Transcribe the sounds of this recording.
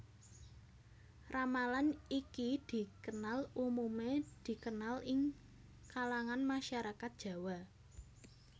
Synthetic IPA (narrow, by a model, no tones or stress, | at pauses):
ramalanikid̪̥i̤kənalumumed̪̥i̤kənalɪŋ | kalaŋanmaʃaɾakat̪̚dʒ̥ä̤wa